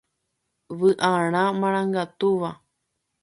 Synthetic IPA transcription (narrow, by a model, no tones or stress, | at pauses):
ʋɨʔaɽ̃ãmãɾ̃ãŋɡat̪uʋa